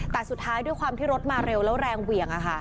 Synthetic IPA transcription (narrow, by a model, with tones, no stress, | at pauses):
t̪ɛː˨˩su˨˩t̪ʰːaː˦˥jdu˥˩jkʰwaː˧mt̪ʰiː˥˩ɾo˦˥t̪̚maː˧ɾe˧wlɛː˦˥wɾɛː˧ŋwi˨˩əŋʔa˨˩kʰa˥˩